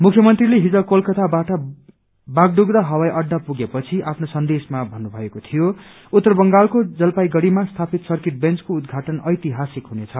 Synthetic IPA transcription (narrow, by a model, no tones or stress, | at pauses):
mukʰjʌmʌnt̪rileɦid͡zʌkolkʌt̪abaʈʌ | baɡɖuɡɾʌɦʌwajʔʌɖːapuɡepʌt͡sʰiʔapʰnosʌnd̪esmabʱʌnːubʱʌekot̪ʰijo | ut̪ːʌrbʌŋɡalkod͡zʌlpajɡʌɽimast̪ʰapit̪sʌrkeʈ̚bent͡skoud̪ɡʱaʈʌnʌjt̪iɦasikɦunet͡sʰʌ